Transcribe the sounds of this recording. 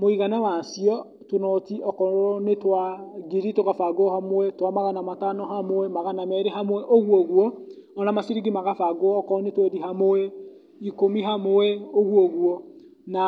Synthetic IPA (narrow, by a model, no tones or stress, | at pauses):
moiɣanawasiɔ | tonɔtiʔɔkɔɾɔnetwaɡiɾitoɣafaɡoɔhamoɛtwamaɣanamatanɔɦamoɛmaɣanamɛɾeɦamwɛʔoɣwɔɣwɔ | ɔnamasiɾiɡimaɣafaɡoɔːkɔnetwɛɾiɦamoɛ | ikomiɦamoɛoɣwɔɣwɔ | na